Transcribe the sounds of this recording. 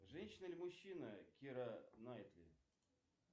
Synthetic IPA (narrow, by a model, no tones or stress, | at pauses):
ʐɛnʲɕːɪnəlʲmʊɕːinəkʲiɾɐnajɪt̪lʲɪ̰